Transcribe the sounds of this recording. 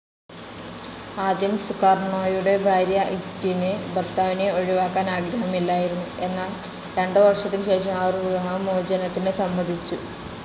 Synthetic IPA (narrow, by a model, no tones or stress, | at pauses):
aːd̪jɐmsukːaːrɳoːjuɽe̞bʱaːɾjɐʔitːinɨbɐrt̪aːʋineo̞ɻiʋaːkːaːnaːɡɾɐɦɐmilːaːjiɾunːue̞nːaːl | ɾe̞ɳɖɨʋɐrʂɐt̪ːilɕe̞ːʂɐmaːruʋiɐɦɐmoːd͡ʑɐnɐt̪ːinɨsɐmːɐd̪ʱit͡ɕːu